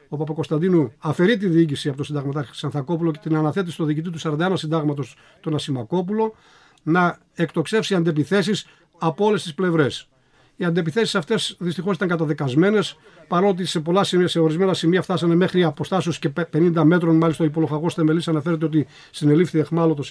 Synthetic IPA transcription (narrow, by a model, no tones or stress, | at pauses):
o̞pɐpɐko̞st̪ɐnd̪inuɐfe̞ɾit̪̬iðiːcisiɐpot̪osind̪ɐɣmɐt̪ɐɾç̪isɐnθɐko̞pulo̞cet̪inɐnɐθe̞t̪isi̥t̪o̞ðiːcit̪it̪usɐɾɐnd̪ɐenɐsind̪ɐɣmɐt̪o̞s | t̪o̞nɐsimɐko̞pulo̞ | nɐ | ekt̪o̞kse̞fsiɐnd̪epiθe̞sis | ɐpoo̞le̞st̪isple̞vɾe̞s | iɐnd̪e̞piθe̞si̥sɐft̪e̞sðist̪ixoit̪ɐŋkɐt̪ɐðekɐzme̞ne̞s | pɐɾo̞t̪̬ise̞po̞lɐsise̞o̞ɾizme̞nɐsimiɐft̪ɐsɐne̞me̞xɾiɐpo̞st̪ɐsosce̞pe̞nind̪ɐme̞t̪ɾo̞nmɐlisɐoipo̞lo̞xɐɣo̞sθe̞me̞lisɐnɐfe̞ɾet̪e̞ot̪i | sine̞lifθiexmɐlot̪o